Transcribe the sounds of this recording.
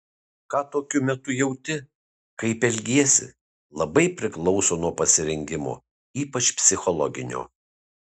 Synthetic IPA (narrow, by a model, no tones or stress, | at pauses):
kɑːt̪oːkʲʊmʲɛt̪ʊjɛʊt̪ʲɪ | kɐɪpɛlʲɡʲiɛsʲɪ̰ | lˠɐbɐɪpʲɾʲɪklˠɒʊsoːnuɔpɐsʲɪɾʲɛŋʲɡʲɪmo̰ː | iːpɐt͡ʃpʲsʲɪxɔlˠɔɡʲɪnʲo̰ː